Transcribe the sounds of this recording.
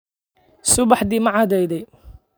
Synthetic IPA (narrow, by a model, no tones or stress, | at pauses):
sʊbɑħd̪imɐʕɑd̪ɛjd̪ɛj